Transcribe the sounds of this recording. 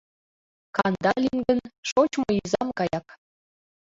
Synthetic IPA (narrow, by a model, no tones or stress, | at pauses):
kɑnd̪ɑlʲiŋɡə̆nʃot͡ɕmɤizɑmkɑjɑk